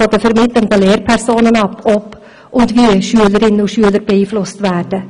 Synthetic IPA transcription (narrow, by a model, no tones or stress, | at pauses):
ɔd̪əfɔɾmɪd̪lənt̪ɑleːɾpʰæɾsuːnənɑpːɔpː | ʔʊnd̪ʋiːəʃʉːləɾɪnːʊʃʉːləɾbeːiːflʊst̪ʋæːɖə